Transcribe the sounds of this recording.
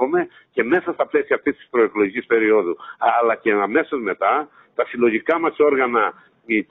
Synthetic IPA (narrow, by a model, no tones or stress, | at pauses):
ome̞ | ce̞me̞sɐst̪ɐple̞siɐːft̪ist̪i̥spɾo̞eklo̞ʝicispe̞ɾio̞ðuɐlɐceɐme̞sozme̞t̪ɐ | t̪ɐfilo̞ʝikɐmɐso̞ɾɣɐnɐ | i